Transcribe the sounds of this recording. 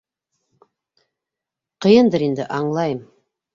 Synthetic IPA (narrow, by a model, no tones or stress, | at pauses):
qʰəjənd̪əɾend̪ɪ̰ʔɑɴlˠɑjm